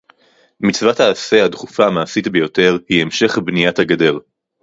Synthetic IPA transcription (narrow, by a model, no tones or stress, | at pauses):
mit͡svataːse̞hadχufamaːsitbejo̞te̞ʁhiemʃe̞χbnijathaɡade̞ʁ